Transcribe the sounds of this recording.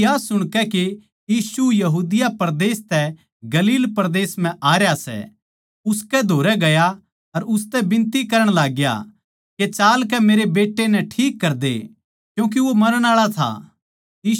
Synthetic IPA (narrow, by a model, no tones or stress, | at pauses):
jaːsːʊɽ̃kɛke | jiːsujɐɦuːd̪ɪjapɐɾd̪eːst̪ɛ | ɡɐliːlpɐɾd̪eːsm̤ɛ̃ʔaːɾjasɛ̰ | ʊskɛd̪ʱoːɾɛɡɐja | ɐɾʊst̪ɛbɪ̃nt̪ikɐɾəɽ̃laːɡja̰ | ket͡ʃaːlk̬ɛmeːɾebeːʈːenɛ̃ʈʰiːkːɐɾd̪ḛ | kjũːk̬iʋomɐnəɽ̃aːɭat̪ʰa̰ | iː